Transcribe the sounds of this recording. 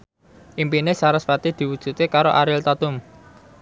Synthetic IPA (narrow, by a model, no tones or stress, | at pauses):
ʔimpinɪsaɾʊspat̪id̪̥i̤wud̥ʒ̥ṳt̪ekaɾoʔaɾɪlt̪at̪ʊm